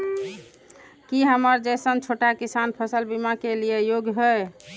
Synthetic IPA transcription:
kiɦəməɾd͡ʒesənt͡ʃʰoʈakisanpʰəsəlbimakelijejoɡjɦəj

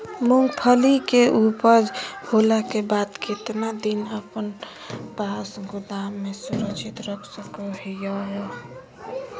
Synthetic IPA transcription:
mʊŋɡpʰəlikeʔupəd͡ʒhoːlakebaːd̪kɪt̪nad̪inəpən | pasɡʊd̪amːẽsʊɾəkt͡ʃʰit̪ɾəkʰsəkoijaɦɛ

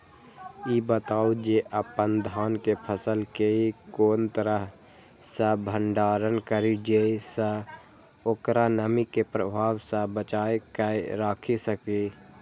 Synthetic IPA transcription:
ibət̪aːud͡ʒeʔəpənd̪ʱaːnkepʰəsəlkeikoːnt̪əɾəɦ | sə̃bʱəɳɖaːɾənkəɾid͡ʒeisə | oːkɾanəmikepɾəbʱaːwsə̃bət͡ʃaːekəɾaːkʰisəki

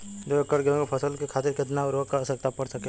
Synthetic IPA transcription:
d̪oekəɽɡẽɡepʰɐsəlkekʰaːt̪ɪɾkɪt̪̬naʊɾʋəkasək̚t̪apɐɽsɐke

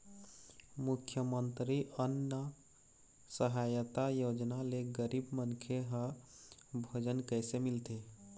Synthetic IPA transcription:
mukʰːjəmənt̪ɾiənːə | səɦajət̪ajod͡ʒnaleɡəɾibmənkʰeɦə | bʱod͡ʒənkəjsemilt̪e

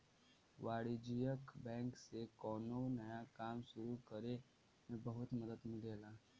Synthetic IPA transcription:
ʋaːɽid͡ʒijəkbɛ̃ːŋksekɔːnonɐjakaːmʃʊɾukɐɾe | mẽbɐɦʊt̪mɐd̪əd̪mɪleːlaː

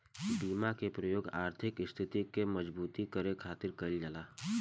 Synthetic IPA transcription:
biːmakepɾɐjoːɡa̰ːɾt̪ʰɪkɪst̪ʰɪt̪ikemɐd͡ʒbuːt̪ikəɾekʰaːt̪ɪɾkɐld͡ʒəlaː

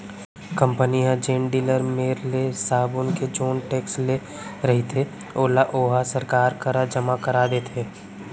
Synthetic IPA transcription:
kə̃mpəniɦãd͡ʒeːɳɖiːləɾmeːɾlesaːbonked͡ʒoːnʈeːksle | ɾɐɦit̪ʰe | oːlaʔoːɦasəɾkaːɾkəɾəd͡ʒəmakəɾaːd̪et̪ʰeː

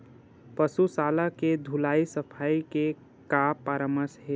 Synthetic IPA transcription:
pəsusaːlaked̪ʱulaːisəpʰaːike | kaːpːaːɾəməsɦeː

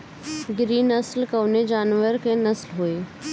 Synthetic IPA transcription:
ɡɾiːnɐslkɐʋned͡ʑaːnʋəɾkẽnɐslɦoeː

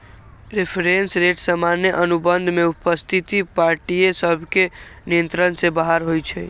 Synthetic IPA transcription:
ɾepʰɾensɾeʈsəmanjəʔənubənd̪ʱmeupəst̪ʰit̪ipaɾʈiesəbʱkenijə̃nt̪ɾənsebaɦaɾɦojt͡ʃʰɛ

